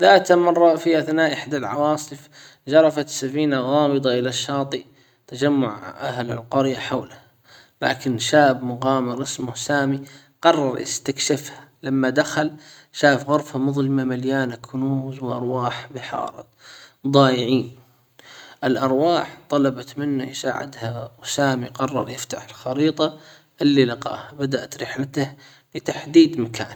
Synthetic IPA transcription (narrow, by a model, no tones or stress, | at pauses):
ðaːt̪amɑrˤːɑfiʔaθnaːʔɪħd̪alʕɑ̰wɑːsˤɨf | d͡ʒɑɾˤɑfat̪safiːnaɣɑːmɨd̪ˤɑʔɪlaʃːɑːt̪ˤi | t̪ad͡ʒamːʊʕʔaɦla̰lqʊɾjaħawla | la̰ːkɪnʃaːbmʊɣaːmɪɾʔɪsmʊhsaːmi | qɑrˤːɑɾˤʔɪ̰st̪akʃafhalamːad̪axal | ʃaːfɣʊɾˤfhamʊðˤlɪmamaljaːnakʰːʊnuːzwʔɑɾˤwaːħbɪħɑ̰ːɾˤɨ̰t̪̚ˤd̪ˤɑːjɪʕiːn | ʔɪlʔɑɾˤwaːħt̪ˤɑlɑbɑt̪mɪnːajsa̰ːʕɪ̰d̪hawsaːmiqɑrˤːɑ̰ɾˤjɪft̪aħɪlxɑɾiːt̪ˤɑ | ʔɪlːilɪqɑ̰ːhabad̪aʔt̪ɾɪħlat̪ah | lɪt̪aħd̪iːd̪maka̰ːn